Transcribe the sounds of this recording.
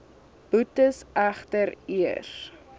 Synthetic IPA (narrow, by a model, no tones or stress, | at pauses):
b̥utəsʔæχtəɾiər